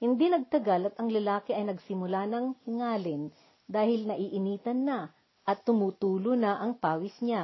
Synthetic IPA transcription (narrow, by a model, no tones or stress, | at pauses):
hɪnd̪inɐɡ̚t̪ɐɡalɐt̪ɐŋlɐlaːkɪʔɐjnɐɡsɪmʊlanɐŋŋaːlɪn | d̪aːhɪlnɐʔiːʔɪniːt̪ɐnːa | ʔɐt̪ːʊmuːt̪uːlonɐʔɐŋpaːwɪsɲa